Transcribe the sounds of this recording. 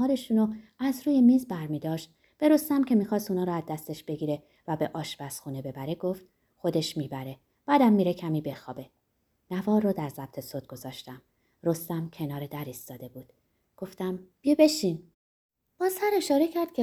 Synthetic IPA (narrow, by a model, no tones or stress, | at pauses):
ɒːɾe̞ʃuːnoæzɾuːje̞miːzbæɾmiːd̪ɒːʃt̪̚ | b̥e̞ɾo̞st̪æmcʰe̞miːxɒːst̪unɒːɾɔæzd̪æst̪e̞ʃb̥e̞ɡiːɾe̞ | væbe̞ʔɒːʃbæsxuːne̞be̞bæɾeɡo̞ft̪̚ | xo̞d̪e̞ʃmiːbæɾe̞ | b̥æːd̪æmːiːɾe̞cʰæmiːbe̞xɒ̰ːbe̞ | nævɒːɾːod̪æɾzæb̥̚t̪ʰe̞sod̪̚ɡ̥o̞zɒːʃt̪æm | ɾo̞st̪æmcʲʰenɒːɾed̪æɾist̪ɒːd̪e̞buːd̪̥ | ɡ̥o̞ft̪æmb̥ijebe̞ʃiːn | b̥ɒːsæɾe̞ʃɒːɾe̞cʰæɾd̪̥̚cʰe